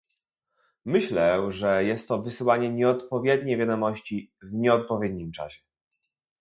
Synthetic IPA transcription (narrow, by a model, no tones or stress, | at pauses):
mɘɕlɛʐɛjɛst̪ːɔvɘsɘwaɲɛɲɛɔt̪pɔvʲjɛd̪̚ɲejvʲjad̪ɔmɔɕt͡ɕivɲɛɔt̪̚pɔvʲjɛd̪̚ɲimt͡ʂa̰ɕɛ̥